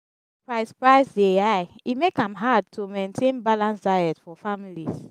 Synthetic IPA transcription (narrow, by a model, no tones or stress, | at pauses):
pɹaɪspɹaɪsdeajimekãmɦad̚tʰumẽntʰẽnbalãnsdajɛtfɔfamilis